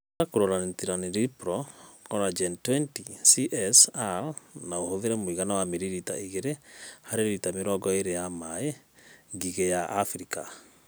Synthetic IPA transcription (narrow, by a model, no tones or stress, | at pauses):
ɾakoɾɔɾanetiɾaneɾipɾɔkɔɾad͡ʒɛntwɛntisiʔɛsalnaohoðeɾɛmoiɣanawameɾiɾita̰iɣeɾehaɾeɾeɾitameɾɔɡɔeɾejamae | ŋɡiɣejaʔːfɾika̰